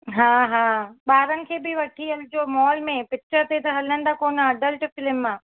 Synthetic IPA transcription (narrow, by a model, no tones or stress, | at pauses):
ɦãːɦãːɓaːɾənɪ̆kʰeːbɪʋɐʈʰiɐld͡ʑoːmɔːlmẽpɪk̚t͡ʃəɾt̪et̪ʰɐɦɐlən̆d̪akoːnəɐɖəlʈfɪlɪmːãː